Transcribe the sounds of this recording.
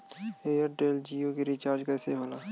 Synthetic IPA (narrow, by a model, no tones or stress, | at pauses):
eːjəɾɖeːld͡ʒiːjokeɾiːt͡ʃaːɾd͡ʒkɛːseɦoːlaː